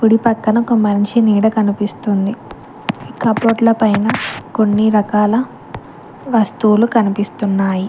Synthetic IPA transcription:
puɽipɐkːɐnɐokɐmɐɲt͡ʃiniːɽɐkɐnipist̪und̪i | ikɐpoːʈlɐpɐjnɐko̞nːiɾɐkaːlɐ | ʋɐst̪ulukɐnipist̪unːaːji

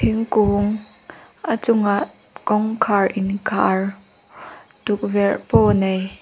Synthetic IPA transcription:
iŋkuŋ | ʔat͡sʊŋaʔ | kɔŋkʰaɹʔɪnkʰa̰ɹ | tuk̚vɛrpɔːnej

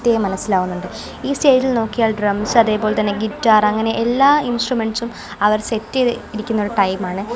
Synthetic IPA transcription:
t̪jɐjɐmɐnɐsːilaːɣunːuɳɖɨ | iːsteːd͡ʑilno̞ːkːijaːɭɖrɐmsɐðe̞ːpo̞ːlt̪ɐnːe̞ɡitːaːrɐŋːɐne̞ʔelːaːinsʈrume̞ɳɖsum | ɐʋɐrse̞tːiiɾikʲːunːo̞ɾuʈɐjmaːɳɨ

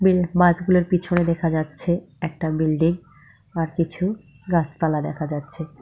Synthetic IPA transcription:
bibad͡ʑɡuloɾpit͡ɕʰoned̪ɛkʰad͡ʑatːɕʰe | ɛk̚ʈabilɖiŋ | aɾkit͡ɕʰu | ɡat͡ɕpalad̪ɛ̰kʰad͡ʑatːɕʰe

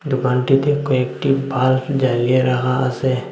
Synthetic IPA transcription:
d̪ʊkãːnʈit̪ekoekʈibaːld͡ʒaːlijeɾɐɦaɐse

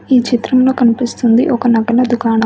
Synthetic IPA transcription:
iːt͡ʃit̪ɾɐmlo̞ːkɐnipist̪und̪iʔɔkɐnɐɡɐnɐd̪ukaːɳɐ

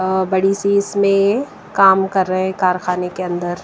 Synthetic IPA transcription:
bɐɽisiːsmẽ | kaːmkɐɾːɐɦẽkaːɾxaːnekeɐ̃nd̪əɾ

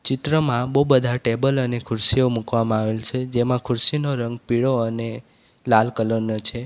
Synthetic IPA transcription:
t͡ʃɪt̪ɾəmãbəubəd̪ʱaʈebələnekʰʊɾsiomukʋamãaʋelt͡ʃʰed͡ʒemãkʰʊɾsinoɾəŋɡ̚piɽoəne | lalkələɾnət͡ʃʰe

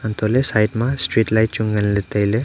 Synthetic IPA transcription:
ant̪olesajʈmãsʈɾiːʈlajʈ̚t͡ʃuŋɡənlet̪əjle

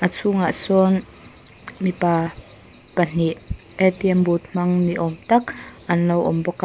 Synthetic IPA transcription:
ʔat͡sʰuŋaʔsɔn | mipaː | pɐn̥iʔʔɛt̪iɛmbut̪̚m̥ɐŋniʔɔmt̪ɐkʔɐnlɔwʔɔmbɔka

